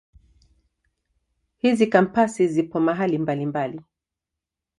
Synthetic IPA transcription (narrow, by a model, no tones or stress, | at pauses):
hizikampasizipɔmaɦalimbalimbali